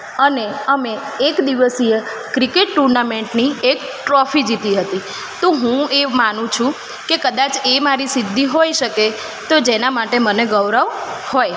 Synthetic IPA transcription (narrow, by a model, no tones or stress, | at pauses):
əneəmeː | kd̪iʋəsijə | kɾikeʈːuɾnameɳʈniek | ʈɾɔfid͡ʒit̪iɦət̪i | t̪oɦũemanũt͡ʃʰũ | kekəd̪at͡ʃemaɾisɪd̪ʱːiɦojʃəke | t̪od͡ʒenamaʈeməneɡəʋɾəʋhoj